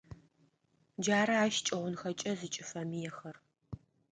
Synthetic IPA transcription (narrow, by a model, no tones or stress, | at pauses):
d͡ʒaːɾɐaːʃt͡ʃʼɐʁʷʊnxɐt͡ʃʼɐzɨt͡ʃʼɪfɐmijɛxɐr